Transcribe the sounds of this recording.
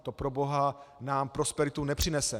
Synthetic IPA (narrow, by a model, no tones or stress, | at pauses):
t̪o̞pɾo̞bo̞ɦanaːmpɾo̞spɛɾɪt̪unɛpr̝̥ɪnɛsɛ